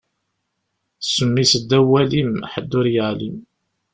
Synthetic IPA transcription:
səmːisəd̪ːæwælimħəd̪ːʊɾjəʕlim

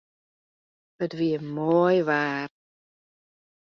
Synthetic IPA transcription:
b̥ədviːəmoːjvaːr

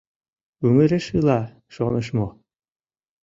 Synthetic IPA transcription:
ʉmɘ̆ɾeʃɯlˠɑ | ʃonɤʃmo

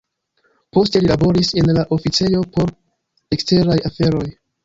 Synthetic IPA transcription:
po̞ste̞lilabo̞ɾise̞nlaʔo̞fit͡se̞jo̞po̞ɾ | ekste̞ɾajafe̞ɾo̞j

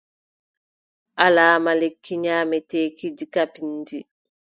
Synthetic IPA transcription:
ʔalaːmalekʰːiɲaːmɛteːkid͡ʒikapindi

